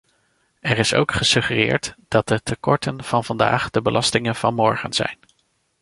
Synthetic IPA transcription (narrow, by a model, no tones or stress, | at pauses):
ɛrɪso̰wkχəsɵχərɪːɹtd̥ɑtətəkɔɹtənv̥ɑnvɑnda̰ːχdəbəlʔɑstɪŋənv̥ɑnmɔɹχə̰nz̥ɛ̰jn